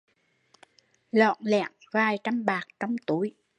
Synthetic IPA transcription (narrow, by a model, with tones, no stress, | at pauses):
lɔ̰˧˨nlɛ̰˧˨əŋvaː˨˩jt͡ɕa˧mɓaː˨˩k̚t͡ɕɔ˧wŋ͡mt̪u˨˩˦j